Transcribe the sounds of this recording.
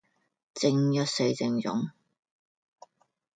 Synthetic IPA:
t͡sɪ˧ŋjɐ˥t̚se˧jt͡sɪ˧ŋjʊ̰˨˥ŋ

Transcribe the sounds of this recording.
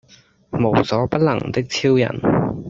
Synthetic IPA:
mo˨˩wsɔː˨˥pɐ˥t̚lɐ˨˩ŋt̪ɪ˥k̚t͡sʰiː˥wjɐ̰˨˩n

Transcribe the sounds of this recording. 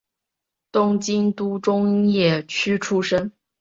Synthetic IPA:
t̪ʊ˥ŋt͡ɕi˥nt̪u˥ʈ͡ʂʊ˥ŋjɛ˥˩t͡ɕʰy˥ʈ͡ʂʰu˥ʂə˥ŋ

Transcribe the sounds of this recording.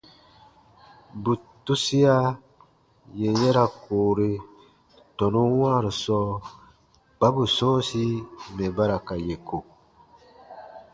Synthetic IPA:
bu˨tu˦si˦a˦ | je˨jɛ˦ɾa˨koː˨ɾi˦ | tɔ˨nũ˦wãː˦˨ɾi˨sɔː˦ | k͡pa˦bu˨sɔ̃ː˦si˦mɛ˨ba˦ɾa˨ka˨je˨kʰo˨

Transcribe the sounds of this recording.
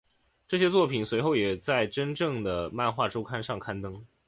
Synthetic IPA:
ʈ͡ʂɤ˥˩ɕjɛ˥t͡swɔ˥˩pʰi˨˩nswe˧˥ɪxo˥˩ʊjɛ˨˩t͡sa˥˩ɪʈ͡ʂə˥nʈ͡ʂɤ˥˩ŋd̪ə˩ma˥˧nxwa˥˩ʈ͡ʂo˥ʊkʰa˥nʂɑ˥˩ŋkʰa˥nt̪ɤ˥ŋ

